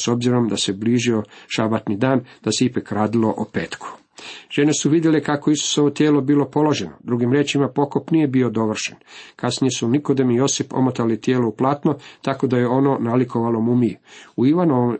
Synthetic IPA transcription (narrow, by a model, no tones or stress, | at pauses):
so̞bziɾo̞md̪ase̞bliʒio̞ʃabat̪nid̪aːnd̪̥aseipakɾaːd̪ilo̞ʔopeːt̪kʰu̥ | ʒ̥e̞ne̞suʋid̪je̞lekako̞isu̥soʋot̪jeːlo̞biːlo̞po̞lo̞ʒe̞no̞̰d̪ɾuɡimɾeːt͡ʃimapo̞kopnije̞bio̞d̪o̞ʋr̩ʃenkasnijesunikod̪emijo̞sipo̞̰mot̪alit̪jeːlouplˠaːt̪no̞t̪ako̞d̪ajeo̞no̞naliko̞ʋalo̞mumiuiʋano̞ʋom